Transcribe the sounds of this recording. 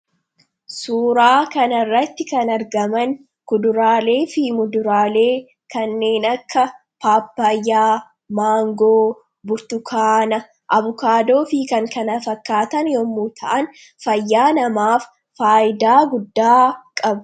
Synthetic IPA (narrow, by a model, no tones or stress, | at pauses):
suːɾaːkɐnɐrːɐt̪ːɪkɐnɐɾɡɐmɐn | kʊd̪ʊɾaːle̞ːfimʊd̪ʊɾaːle̞ː | kɐnːe̞ːnɐkːɐ | paːpːɐjːaː | maːŋɡoː | bʊɾt̪ʊkʰaːnɐ | ʔɐβʊkaːd̪o̞ːfikɐŋkɐnɐfɐkːaːt̪ɐnjɔmːuːt̪ʰɐʔɐn | fɐjːaːnɐmaːfː | aːjɪd̪aːɡʊd̪ːaːkʼɐb